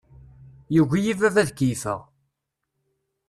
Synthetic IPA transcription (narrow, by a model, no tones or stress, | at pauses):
juʝijivævæðkifə̰ʁ